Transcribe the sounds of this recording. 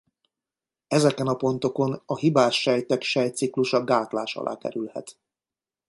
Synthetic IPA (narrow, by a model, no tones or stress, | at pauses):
ɛzɛkɛnɒpo̞n̪t̪o̞ko̞nɒɦibaːʃːɛjt̪ɛkʃɛjt̪sikluʃɒɡaːt̪laːʃɒ̰lʔa̰ːkɛ̰ɾylhɛ̰t̪